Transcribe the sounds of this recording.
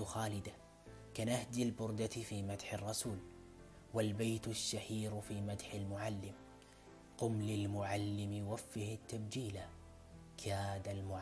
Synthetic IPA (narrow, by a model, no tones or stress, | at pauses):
xaːlɪd̪a | kanahd̪ɪlbʊɾd̪at̪fiːmad̪ħɪrˤːɑsuːl | walbajt̪ʊʃːahiːɾfiːmad̪ħɪlmʊʕalːɪm | qʊmlɪlmʊʕalːɪmɪjwafːɪhɪt̪ːabd͡ʒiːla | kʰaːd̪almʊʕ